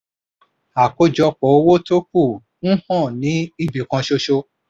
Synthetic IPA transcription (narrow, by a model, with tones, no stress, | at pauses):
a˨ko˧d͡ʒɔ˧k͡pɔ˨˦o˦wo˦to˦k̚u˦˨ | n̩˦hɔ̃˦˨nĩ˨˦i˦˨bi˨kã˧ʃo˧ʃo˧